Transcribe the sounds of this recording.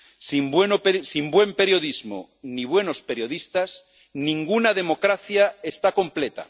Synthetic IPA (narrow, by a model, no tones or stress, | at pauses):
simbwenopesimbwe̞mpe̞ɾjo̞ðizmo̰ | niβwe̞no̞spe̞ɾjo̞ðist̪as | nĩŋɡunaðe̞mo̞kɾaθjae̞st̪ako̞mplet̪a̰